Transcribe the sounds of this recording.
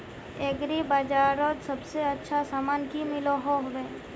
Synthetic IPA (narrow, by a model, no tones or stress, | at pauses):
eɡɾibaːd͡ʒaːɾot̪sɐbseɐtːʃʰasaːmaːnkimɪloɦoɦʋɛ